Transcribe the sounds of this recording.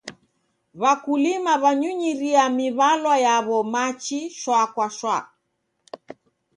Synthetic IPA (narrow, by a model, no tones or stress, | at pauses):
βakulimaβaɲuɲiɾiamiβalwajaβɔmat͡ʃiʃwakwaʃwa